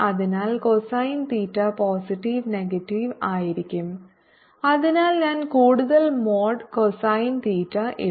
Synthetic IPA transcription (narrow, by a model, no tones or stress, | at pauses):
ʔɐðɐnaːlkɔsɐaːjnt̪iːʈɾɐpaːsɪʈːiʋnɛɡɐʈːiʋaːjɪɾɪkʲːɯm | ɐðɐnaːlnɐnkuːɽɯðɐlmoːɖkɔsaːjnt̪iːʈɾɐʔɪ̰